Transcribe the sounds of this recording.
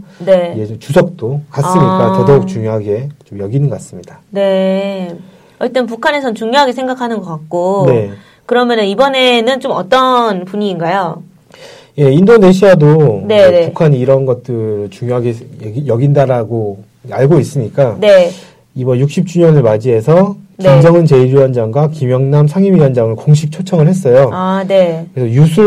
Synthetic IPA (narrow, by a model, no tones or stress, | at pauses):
ne̞eot͡ɕusʰʌk̚t͈okas͈ɯɲik͈atʌdʌuk̚t͡ɕuŋjoɦaɡe̞t͡ɕomjʌɡinɯnɡʌk͈as͈ɯmɲidane̞ | ʌt͈ʌnp̬ukʰane̞sʰʌnt͡ɕuŋɲjoɦaɡesʰe̞ŋɡakʰanɯnɡʌk͈ak̚k͈one̞ | kɯɾʌmjʌnɯnibʌne̞nɯnt͡ɕomʌt͈ʌnpuɲiːnɡajo | je̞indone̞ɕ̬ʰiadoneepukʰaɲiːɾʌnɡʌt̚t͈ɯɾɯɭt͡ɕuŋjoɦaɡejʌɡindaɾaɡo | aɭɡois͈ɯɲik͈ane̞ | ibʌnjuk̚ɕ͈ʰip̚t͡ɕ͈uɲʌnɯɭmad͡ʑiɦe̞sʰʌnimd͡ʑʌŋɯnt͡ɕe̞iɾuwʌnd͡ʑaŋɡwakimjʌŋnamsʰaŋimijʌnd͡ʑaŋɯɭkoŋɕ̬ʰip̚t͡ɕʰot͡ɕʰʌŋɯɭhe̞s̬͈ʌjoane̞kɯɾesʰʌjusʰu